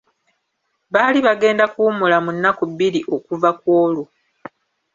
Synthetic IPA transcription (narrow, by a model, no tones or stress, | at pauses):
βaːliβaɡe̞ːndakuːmulamunːakubːiɾiʔo̞kuvakwoːlu